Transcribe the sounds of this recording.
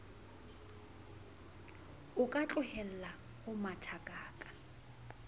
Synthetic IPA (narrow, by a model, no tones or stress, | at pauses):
ʊkʼat͡ɬʼʊhɛl̩la | hʊmatʰakʼaːkʼḁ